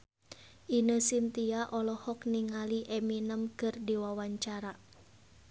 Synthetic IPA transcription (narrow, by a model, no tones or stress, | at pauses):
ʔinəsint̪iaʔɔlɔhɔk̚niŋaliʔɛminəmkɨrdiwawaɲt͡ʃaɾa